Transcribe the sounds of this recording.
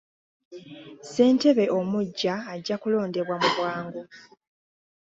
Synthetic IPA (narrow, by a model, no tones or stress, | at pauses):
se̞ːnte̞βe̞ʔo̞muɟːaːɟːakulo̞ːnde̞βwamuβwaːŋɡo